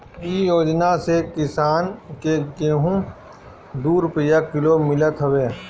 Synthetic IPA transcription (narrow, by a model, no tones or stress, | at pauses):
ijoːd͡ʒnasekɪsaːnkeɡeːɦũ | d̪uːɾpijakɪlomɪlət̪ɦəweː